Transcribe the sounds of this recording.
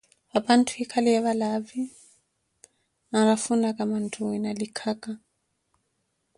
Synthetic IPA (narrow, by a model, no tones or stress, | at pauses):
wapan̩tʰuhikʰalɛjaβalavi | naɾafunakamantʰuinalikʰaka